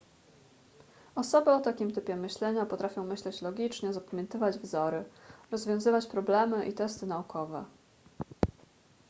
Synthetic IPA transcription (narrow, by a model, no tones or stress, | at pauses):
ɔsɔbɘɔt̪akʲimt̪ɘpʲjɛmɘɕlɛɲapɔt̪ɾafʲjɔ̃w̃mɘɕlɛt͡ɕlɔɡʲit͡ʂɲɛzapamʲjɛnt̪ɘvad͡ʑvzɔɾɘɾɔzvʲjɔ̃w̃zɘvat͡ɕpɾɔblɛmɘʔḭt̪ɛst̪ɘnaukʰɔvɛ